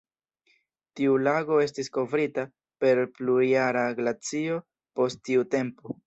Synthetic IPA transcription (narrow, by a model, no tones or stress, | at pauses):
tiulaɡo̞e̞s̬tisko̞vɾita | pe̞ɾpluijaɾaɡlat͡sio̞ | po̞stːiute̞mpo